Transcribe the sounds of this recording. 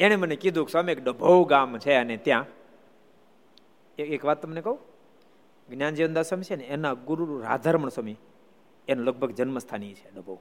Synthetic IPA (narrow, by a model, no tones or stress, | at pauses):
eɽ̃emənekid̪ʱũksɔmiekɖəbʱəwɡamt͡ʃʰeənet̪jã | eekʋat̪̚t̪ːəmnekəũ | ɡnjand͡ʒiʋənd̪asəmit͡ʃʰeneːnaɡuɾuɾuɾa̰d̪ʱaɾməɳsəmi | enulək̚bʱəɡd͡ʒənməst̪ʰanit͡ʃʰe̥ɖəbʱə